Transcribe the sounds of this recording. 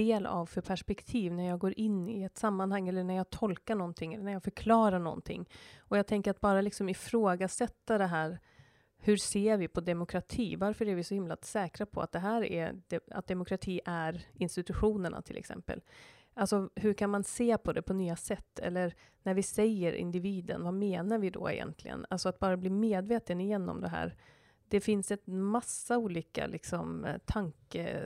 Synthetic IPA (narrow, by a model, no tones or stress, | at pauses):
eːla̰vfœɾpʰæʂpɛkt̪ʰiːvnæɾjɑːɡoːɾʔɪnːɪɛt̪samːanhaŋːɛlːəɳæɾjɑːɡt̪ʰɔlkaɳɔnt̪ʰɪŋːɛlːənæɾjɑːɡfœɾkʰlɑːɾaɳɔ̰nt̪ʰɪ̰ŋːɔjɑːt̪ʰɛŋkəɾat̪̚bɑːɾalɪksɔmɪfɾoːɡasɛt̪ːad̪ɛɦæːɾ | hɵɾseːɾvɪpʰɔd̪ɛmʊkʰɾat̪ʰiːvaɾfœɾæɾvɪsɔhɪmla̰sɛːkɾapʰɔ̰a̰t̪̚d̪ɛɦæːɾɛ̰d̪ɛa̰t̪̚d̪ɛmʊkʰɾat̪ʰiːʔæɾɪnst̪ɪt̪ɵɧuːnəɳa̰t̪ʰɪlʔɛ̰ksɛ̰mpə̰l | ʔalsɔhɵkʰanmanseːpʰɔd̪ɛpʰɔnyːasɛt̪ːɛ̰lːəɾ | næɾvɪsɛjəɾʔɪ̰nd̪ɪviːd̪ə̰nvameːnaɾvɪd̪ɔ̰ɛ̰jɛ̰nt̪ʰlɪ̰ɡə̰nalsɔat̪̚bɑːɾabliːmeːd̪veːt̪ənɪjɛnːɔ̰md̪ɛɦæ̰ːɾ | d̪̥ɛfɪnsɛt̪masːauːliːka̰lʔɪksɔmt̪ʰaŋkə̰